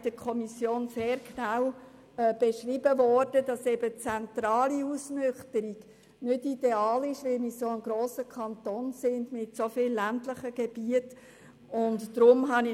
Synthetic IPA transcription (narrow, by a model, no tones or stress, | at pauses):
d̥əkʰɔmisjoːnseːɾknaw | ɛb̥eʃriːbəvɔɾd̥ədɑsɛbət͡sɛntɾɑːliusnʏχtəɾiɡ | nʏtid̥eɑːlɪʃʋɪlmisoəmɡɾoːsəkʰɑntoːnsɪndmɪtsofɪlːæntləχəɡ̥eb̥iət | ʊntːɾʊmɦɑnɪ